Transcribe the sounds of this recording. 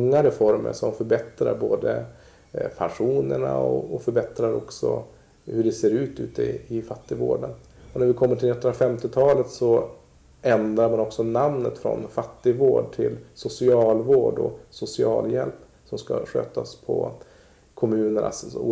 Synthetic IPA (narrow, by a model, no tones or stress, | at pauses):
ŋːaɾɛfɔɾmə̰ʂɔmfœɾbɛt̪ɾa̰ɾboːd̪ə̰ | pʰanʂuːnəɳa̰ɔɔfœɾbɛt̪ɾaɾɔksɔ̰ | hɵɖɛseːɾʉ̟ːt̪ʉ̟ːt̪ɪɪfat̪ːɪɡvo̰ːɖənɔnæɾvɪkʰɔmːəʈʰɪlnɛt̪ːənɾafɛmt̪ɪt̪ʰɑːlət̪sɔ | ɛnd̪ɾaɾmanɔksɔnamnət̪fɾɔ̰nfat̪ːɪɡvoːɖ̚ʈʰɪlsʊsɪɑːlvoːɖɔ̰sʊsɪɑ̰ːljɛlp | sɔmska̰ɧø̰ːt̪aspʰɔ̰ | kʰɔmʉ̟ːnəɳa̰sṵː